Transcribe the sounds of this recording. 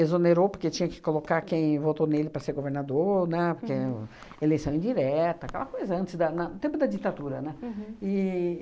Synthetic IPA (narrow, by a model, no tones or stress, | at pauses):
ezoneɾopoɾket͡ʃĩɲɐkɪ̥kolokakẽj̃vot̪onelɪpɾɐseɾɡoveɾnad̪oɾnɛpoɾke | elejsɐ̃w̃ĩd͡ʒiɾɛt̪ɐakɛ̰lɐkojzɐɐ̃nt͡ʃ̪ɪzd̪ɐnɐʊt̪ẽpʊd̪ɐd͡ʒit̪ad̪uɾɐnɛɪ